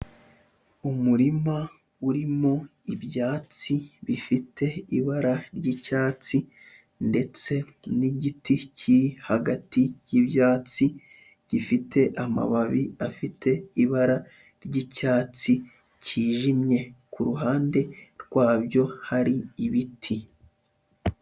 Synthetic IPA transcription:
umuɾima | uɾimo̞iβjaːt͡siβifitʰe̞iβaɾaɾjicaːt͡si | nde̞t͡se̞ | niɟiticʰiɾihaɡatijiβjaːt͡si | ɟ̥ifitʰe̞ʔama̰βaβiafitʰe̞iβaɾa | ɾɟicaːt͡si | ciːʒimɲe̞kʰuɾuɦaːnde̞ɾɡwaːbjo̞haɾiːβitʰi

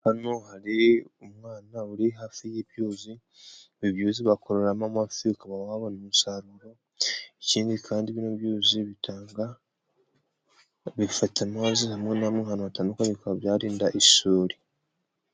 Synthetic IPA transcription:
hano̞haɾiumwaːnauɾiɦafijeβjoːzi | βiβjuːziβakoɾeɾamamuafikaβawaβonemisaɾuɾo̞ | eciːndikʰaːndiβinoβjoːziβitʰaːŋɡa | βifatʰamaːzihamŋenameɦanohatanokaβikaβjaːɾiːndaʔisoːɾi

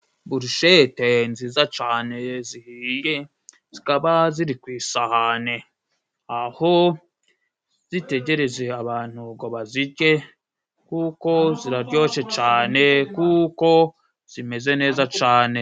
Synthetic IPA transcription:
buɾiʃetenziːzat͡ʃaːne̞zihiːje | z̥ikaβaziɾikwiːsahane̞ | aho̞ | z̥ite̞ɟe̞ɾe̞ze̞aβaːn̥huɡo̞βaziɟe̞ | kuko̞ziɾaɾɟo̞ːʃe̞t͡ʃaːne̞kuko̞ | z̥ime̞ze̞ne̞ːzat͡ʃaːne̞

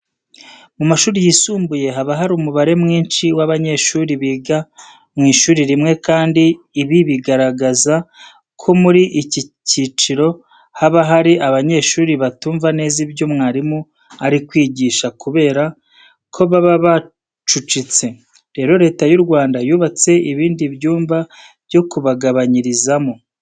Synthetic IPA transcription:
mumaʃuːɾijisuːmbuje̞ɦaβaɦaɾumuβaɾe̞mŋiːnʃiwaβaɲe̞ʃuːɾiβiːɡa | mŋiːʃuːɾiɾimŋe̞kaːndiː | βiβiɡaɾaɡaza | kʰo̞muɾiʔicicit͡ʃiɾo̞ | haβaɦaɾiʔaβaɲe̞ːʃuːɾiβatuːɱvane̞ːzibjo̞mŋaːɾimu | aɾikwiːɟiːʃakuβe̞ːɾa | kʰo̞βaβaβa | t͡ʃut͡ʃit͡se̞ | ɾe̞ːɾo̞ɾe̞ːtajuɾɡwaːndajuːβat͡se̞ʔiβiːndiβjuːmva | bjo̞kuβaɡaβaɲiɾizamu

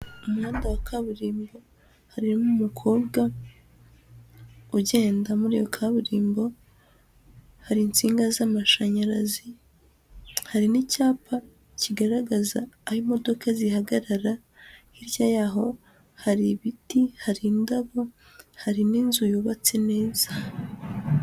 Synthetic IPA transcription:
umwaːndawakʰaβuɾiːmbo̞ | haɾinumukʰo̞ːbɡa | uɟeːndamuɾḭjokʰaβuɾiːmbo̞ | haɾiːnt͡siːŋɡazamaʃaɲaɾazi | haɾinicaːpʰa | ciɡaɾaɡazaːhimo̞do̞kʰazihaɡaɾaɾa | hiɾjajaɦo̞ | haɾiβitihaɾindaβo̞ | haɾininzujuːβat͡sene̞ːz̥a

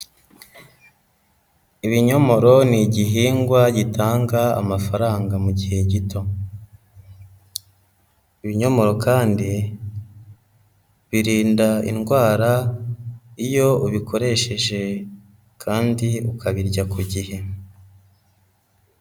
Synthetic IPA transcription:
iβiɲo̞mo̞ɾo̞niɟiɦiːŋɡwaɟitʰaːŋɡaa̰mafaɾaːŋɡamuɟihe̞ɟito̞ | iβiɲo̞mo̞ɾo̞kaːndi | βiɾiːndaḭnɡwaːɾa | ijo̞uβikʰo̞ɾe̞ʃe̞ʒe̞ | kʰaːndiukaβiɾɟakuɟihe̞

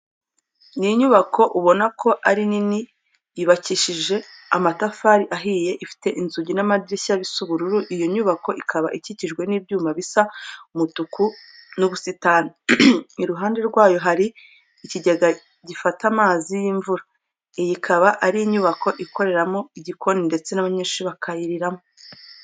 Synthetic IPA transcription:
niɲuβakʰo̞ʔuβo̞nakʰo̞ʔaɾinini | jiβaciʃiʒe̞amatafaːɾiʔaɦiːje̞ʔifi̥te̞ʔinzuɟinamadiɾisaβisuβuɾuɾuʔijoɲuβako̞ʔikʰaβa̰ʔiciciʒɡwe̞niːbɟuːmaβisamutuku | nuβusitanaiɾuɦaːnde̞ɾɡwaːjo̞ɦaɾiː | ciɟeɡa | ɟifatamaːzijiɱvuɾa | ejikʰaβaʔaɾiiɲuβako̞ʔikʰo̞ɾe̞ɾamo̞iɟikʰo̞ninde̞t͡se̞naβaɲeːʃiβakʰajiɾiɾamo

